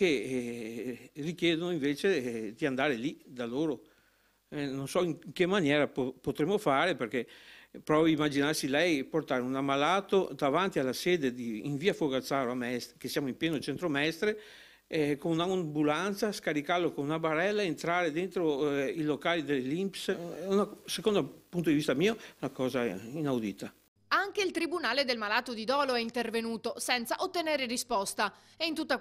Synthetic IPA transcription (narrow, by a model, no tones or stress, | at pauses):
ke | rikjɛːd̪onoiɱveːt͡ʃed̪iand̪aːɾelid̪aloːɾo | nonsɔiŋŋkemːanjɛːɾapopot̪ɾemːofaːɾeperkepɾɔːviimːad͡ʒinarsilɛjport̪aːɾeunamːalaːt̪od̪avant̪ialːaseːd̪ed̪iːɱviːafoɡasaːɾoamɛst̪ɾekesjaːmoimpjɛːnot͡ʃent̪ɾoamɛst̪ɾe | ɛkonunambulant̪saskaɾikalːokonunabaɾɛlːaeent̪ɾaːɾed̪ent̪ɾoilokaːlid̪elelimpsunasekond̪opunt̪̬od̪ivist̪amiːoɛunakɔːzainawd̪ḭːt̪a | aŋk̟eilt̪ɾibunaːled̪elmalaːt̪od̪id̪ɔːloɛint̪ervenuːt̪osɛnt̪saʔot̪ːeneːɾerispɔst̪a | eint̪ut̪ːa